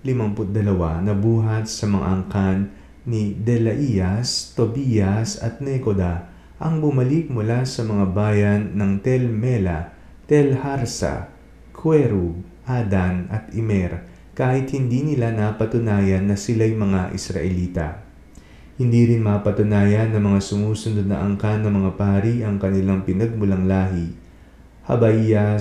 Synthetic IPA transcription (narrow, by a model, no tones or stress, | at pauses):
lɪmɐmpʊt̪̚d̪ɐlɐwa̰nɐbuːɦɐt̪̚sɐmɐŋa̰ʔɐŋkanː | id̪ɛlɐʔijɐst̪obiːjɐsɐ̰t̪̚nɛkod̪a | ʔɐŋbʊmɐlik̚mʊlasɐmɐŋabaːjɐnːɐŋt̪ɛlmɛlɐ | t̪ɛlhaɾsɐ̰ | kʰwɛɾu | ʔad̪ɐnɐt̪ɪmɛɾ | kaːhɪt̪̚hɪnd̪inɪlanapɐt̪ʊnaːjɐnːɐsɪlajmɐŋaʔɪ̰sɾɐ̰ʔɛliːt̪ɐ̰ | hɪnd̪iɾɪnmapɐt̪ʊnaːjɐnːɐmɐŋasʊmuːsʊnod̪nɐ̰ʔɐŋkanɐmɐŋapaːɾiʔɐŋkɐnɪlaŋpɪnɐɡ̚mʊlɐŋlaːɦi | hɐ̰bɐʔija